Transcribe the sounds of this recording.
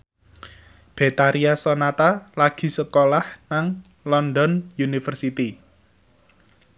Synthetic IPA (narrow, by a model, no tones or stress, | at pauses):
b̥e̤t̪aɾiasɔnat̪alaɡ̥i̤səkolahnaŋ | lɔnd̪ɔnjunifərsit̪i